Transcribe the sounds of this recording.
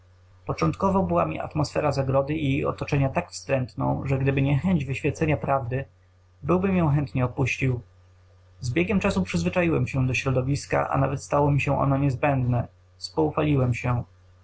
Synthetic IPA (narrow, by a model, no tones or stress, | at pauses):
pɔt͡ʂɔnt̪̚kɔvɔbɘwa̰mʲḭʔa̰t̪mɔsfɛɾazaɡɾɔd̪ɘʔijejɔ̰t̪ɔt͡ʂɛɲat̪akfst̪ɾɛnt̪nɔ̰̃w̃ʐɛɡd̪ɘbɘɲɛxɛɲd͡ʑvɘɕfʲjɛt̪sɛɲapɾavd̪ɘ | bɘwbɘmjɔ̃w̃xɛnt̪ɲɛɔpuɕt͡ɕiw | zbʲjɛɡʲɛmt͡ʂasupʂɘzvɘt͡ʂajiwɛmɕɛ̃d̪ɔɕɾɔd̪ɔvʲiska̰ʔa̰navɛt̪st̪awɔmʲiɕɛ̃ʔɔ̰nɔɲɛzbɛnd̪nɛ | spɔufalʲiwɛmɕɛ